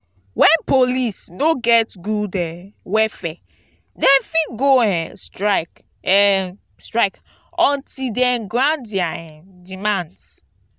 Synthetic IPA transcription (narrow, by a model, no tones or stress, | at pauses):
wɛ̃npolisnoɡɛtɡudɛ̃wɛfɛ | dɛ̃nfitɡoɛ̃nstɹaɪk | ɛ | stɹaɪk | ɔ̃ntidɛ̃nɡɹãndiaɛ̃ndimãnds